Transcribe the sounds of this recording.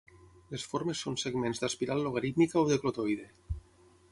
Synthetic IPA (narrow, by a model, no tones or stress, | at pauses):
lesfoɾmesːonseɡmenzd̪aspiɾalˠːoɣaɾit̪mikaoðeklot̪ojðe